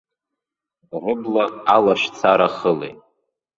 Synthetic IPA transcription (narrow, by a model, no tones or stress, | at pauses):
rʷʊblaalaʃt͡sʰaɾaχəlḛjʼ